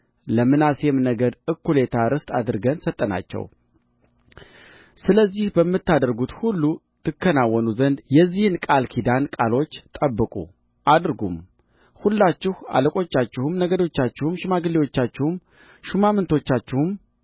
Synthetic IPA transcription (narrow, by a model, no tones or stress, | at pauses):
ləmɨnasemnəɡəd̪ɨkːule̞t̪ʰaɾɨst̪ʼa̰d̪ɨɾɡənsət̪ʼːəna̰t͡ʃːɛ̰w | sɨləzːihbəmːɨt̪ːad̪əɾɡut̪hulːu | t̪ʰɨkːənawːɔnuzənd̪jɛzːihɨnkʼalkʰid̪ankʼalo̞t͡ʃːt̪ʼəbːɨkʼṵ | ʔad̪ɨɾɡṵm | hulːat͡ʃːɪha̰ləkʼo̞t͡ʃːat͡ʃːɪhɨmnəɡəd̪o̞t͡ʃːat͡ʃːɪhɨmʃɪmaɡɨlːiwo̞t͡ʃːat͡ʃːɪhɨm | ʃumamɨnt̪ʰo̞t͡ʃːat͡ʃːɪhɨm